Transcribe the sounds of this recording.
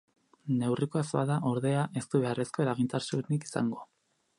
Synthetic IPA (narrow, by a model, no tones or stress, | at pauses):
ne̞wriko̞asaðaʔo̞ɾðe̞aʔe̞st̪uβe̞are̞sko̞et̪aɣint̪aɾsuniki̥sa̰ŋɡo̞